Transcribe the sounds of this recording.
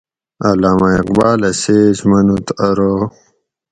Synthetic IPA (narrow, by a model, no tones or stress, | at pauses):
ɐlaːmaiqbaːlɐseːzmɐnut̪ɐɾo